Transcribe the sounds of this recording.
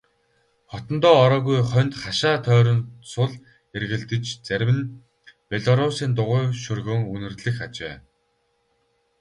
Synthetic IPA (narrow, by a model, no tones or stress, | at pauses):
χɔt̪ɞ̆nt̪ɔːɾɔːɣujχœnt̪χaʃaːt̪ʰœːɾɞ̆nsʊɮ | erɣɘ̆ɮt̪ɘ̆t͡ɕt͡sæɾʲwɘ̆n | pʲeɮɔɾʊsiːnt̪ʊʁʊːʃɵrɣɵ̆ːŋɵnɘ̆rɮɘ̆xat͡ɕḛː